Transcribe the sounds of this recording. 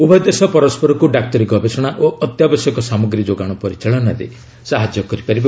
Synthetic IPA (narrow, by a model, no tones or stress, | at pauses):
ubɔd̪esɔpɔɾɔspɔɾɔkuɖak̚ʈɔɾiɡɔbʱesɔɽ̃aʔoʔɔt̪jabɔsjɔkɔsamɔɡɾid͡ʒoɡaɽ̃ɔpɔɾit͡ʃaɭɔnaɾḛ | saɦad͡ʒjɔkɔɾipaɾib